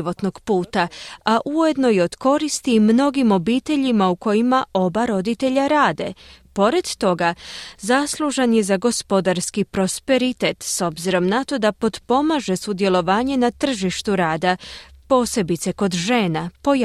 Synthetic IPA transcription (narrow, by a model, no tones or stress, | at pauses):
o̞t̪no̞ɡ̥puːt̪aaʔuje̞d̪no̞jeo̞d̪ko̞ɾist̪imno̞ɡimo̞biːt̪e̞ʎimauko̞jimaʔo̞baɾo̞d̪it̪e̞ʎaɾaːd̪e̞̰po̞ɾe̞d̪̥t̪o̞ɡazaslˠuʒenje̞zaɡo̞spo̞d̪aɾskipɾo̞spe̞ɾit̪et̪so̞bziɾo̞mnat̪o̞d̪apo̞d̪po̞maʒe̞sud̪je̞lo̞ʋaːɲe̞nat̪r̩ʒiʃt̪uɾaːd̪apo̞ːse̞bit̪se̞ko̞d̪ʒe̞ːnapo̞j